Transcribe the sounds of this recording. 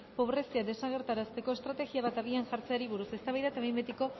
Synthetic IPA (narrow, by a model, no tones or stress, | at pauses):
po̞β̞ɾe̞siaðe̞saɣe̞ɾt̪aɾast̪e̞ko̞e̞st̪ɾat̪e̞ɣiaβ̞at̪aɣianʝaɾt͡seaɾiβ̞uɾuse̞st̪aβajðat̪aβembet̪iko̞